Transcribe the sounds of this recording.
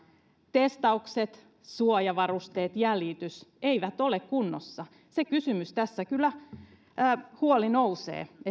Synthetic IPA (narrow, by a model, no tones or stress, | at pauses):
t̪est̪ɑukset̪ | suojɑʋɑrust̪eːt̪jælit̪yseiʋæt̪olekkunːo̰sːɑ | sekysymyst̪æsːækylːæː | huolinousḛːe